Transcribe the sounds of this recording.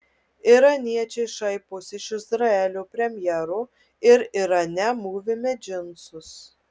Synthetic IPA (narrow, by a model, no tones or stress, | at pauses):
ɪɾɐnʲiɛt͡ʃʲɛɪʃɐɪpʊsɪʃɪzɾɐɛlʲuːpʲɾʲɛmʲjɛɾuː | ɪɾɪɾɐnʲɛmuːʋʲɪmʲɛd͡ʒʲɪnsʊs